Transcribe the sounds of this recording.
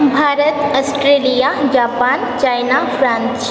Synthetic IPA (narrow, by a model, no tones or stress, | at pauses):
bʱaːɾət̪ɐsʈɾeːlijad͡ʒaːpaːnt͡ʃaːjnafʰɾãːns